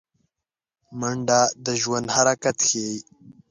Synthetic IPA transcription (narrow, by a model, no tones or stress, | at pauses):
məɳɖad̪əʒwand̪haɾakat̪xeːj